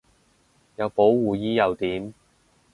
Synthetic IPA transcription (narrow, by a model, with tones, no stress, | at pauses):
jɐ˨˧wpo˨˥wwuː˨jiː˥jɐ˨˧wt̪iː˨˥m